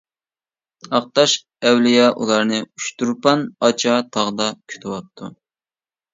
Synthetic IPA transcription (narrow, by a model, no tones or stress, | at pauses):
ɑq̚t̪ɑʃ | ɛwlɪjɑʔṵlˠɑɾnɨyʃt̪uɾpɑnɑt͡ʃʰɑt̪ʰɑʁd̪ɑkʲʰy̥t̪ʰɪwɑp̚t̪ʰːṵ